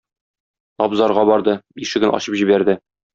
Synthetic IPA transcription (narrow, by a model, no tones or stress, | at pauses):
ɒbzɑɾʁɑbɒɾd̪ɤiʃɘ̆ɡɘ̆nɒ̰ɕɤpʑibæɾd̪ɘ